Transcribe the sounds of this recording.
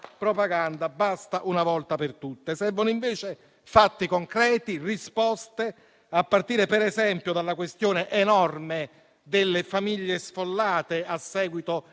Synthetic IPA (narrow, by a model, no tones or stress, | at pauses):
pɾopaɡand̪abast̪aʔunavɔlt̪apert̪ut̪ːesɛvonoiɱveːt͡ʃe | fat̪ːikoŋkɾɛːt̪irispɔst̪e | apːart̪iːɾepeɾɛzɛmpjod̪alːakwest̪joːneʔenɔrme | d̪elːefamiʎːesfolːaːt̪easːɛːɡwit̪o